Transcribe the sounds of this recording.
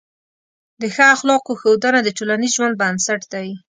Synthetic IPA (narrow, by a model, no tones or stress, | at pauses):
d̪əxaaxlɑqoxawd̪anad̪əʈolanizʒwand̪̚bansaʈd̪aj